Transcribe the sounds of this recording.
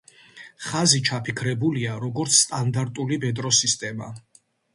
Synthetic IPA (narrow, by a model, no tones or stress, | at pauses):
χazit͡ʃʰapʰikʰɾɛbuliaɾɔɡɔɾt̪sʰst̪ʼand̪aɾt̪ʼulibɛd̪ʼɾɔsist̪ʼɛma̰